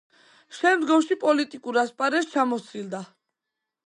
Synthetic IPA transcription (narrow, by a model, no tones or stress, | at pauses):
ʃɛmd̪ɡɔmʃipʼɔlit̪ʼikʼuɾaspʼaɾɛst͡ʃʰamɔsild̪a